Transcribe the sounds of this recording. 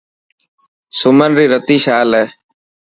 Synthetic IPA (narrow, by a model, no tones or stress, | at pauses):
sʊmənɾiːɾət̪iːʃaːlɛː